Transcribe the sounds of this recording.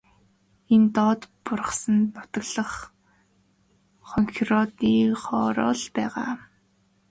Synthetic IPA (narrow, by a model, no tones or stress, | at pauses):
ent̪ɔt̪pʊrʁə̥̆sə̆nnʊt̪ə̆ɣɮə̆χ | χɔŋxirɔt̪iːχɔːɾɔ̰ːɮpæːʁa̰ː